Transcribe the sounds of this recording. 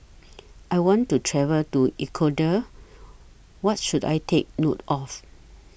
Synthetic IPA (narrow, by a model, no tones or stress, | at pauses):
ʔajwɔ̃ntutʰɹɛvəltuikʰodə | wɔt̚ʃuda̰jtʰek̚notɔf